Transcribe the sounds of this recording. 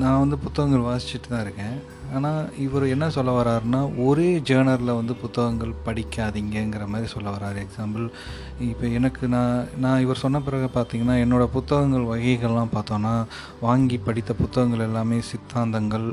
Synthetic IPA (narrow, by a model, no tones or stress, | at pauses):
nãːʋɐnd̪ɯpʊt̪ːɐɣɐŋɡɐɭʋaːsɪ̥t͡ʃːɪʈːɯt̪ãːɪɾɯkːẽː | aːnaːɪʋɐɾoɛnːɐsɔlːɐʋɐɾaːɾnaːʔɔɾeːd͡ʒeːnɐɾlɐʋɐnd̪ɯpʊt̪ːɐɣɐŋɡɐɭpɐɽɪkʲːaːðiŋɡɐɛŋɡɪɾɐmaːd̪ɾisɔlːɐʋɐɾaːɾɯɛksaːmbɐl | ɪpːɐːɛnɐkːɯnãːnãːɪʋɐɾsɔnːɐp̬ɪɾɐɣɐpaːɾt̪iːŋɡɐnːaːɛnːoːɽɐpʊt̪ːɐɣɐŋɡɐɭʋɐɣɐɪɣɐɭlãːpaːɾt̪õːnːaː | ʋaːŋɡipːɐɽɪt̪ːɐpʊt̪ːɐɣɐŋɡɐɭɛlːaːmeːsɪt̪ːaːnd̪ɐŋɡɐɭ